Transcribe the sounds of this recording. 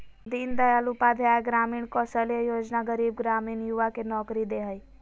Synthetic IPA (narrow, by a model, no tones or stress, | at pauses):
d̪iːnd̪əjalupad̪ʱaɡɾaːmiːɳkɔsəljəjoːd͡ʒnaɡəɾiːb̚ɡɾaːmiːɳjuʋakenɔːkɾid̪eɦəj